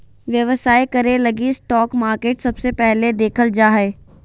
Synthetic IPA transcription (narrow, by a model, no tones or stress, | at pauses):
ʋjɐʋəsaːikɐɾelɐɡisʈɔːkmaːɾkeːʈsɐbsepɛɦled̪eːkʰəld͡ʒaːɦeː